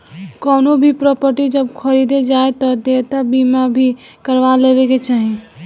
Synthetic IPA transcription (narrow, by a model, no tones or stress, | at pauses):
kɔːnobʱipɾɔːpəɾʈid͡ʒəbkʰəɾid̪ed͡ʒaːet̪ɔd̪et̪abimabʱi | kəɾʋaleːʋeket͡ʃaːɦi